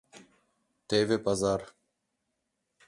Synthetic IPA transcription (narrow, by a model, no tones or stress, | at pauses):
t̪eːvepazaːɾ